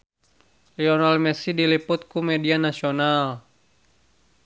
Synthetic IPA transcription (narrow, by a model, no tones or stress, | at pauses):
liɔnalmɛsidilipʊt̪̚kumɛdianasional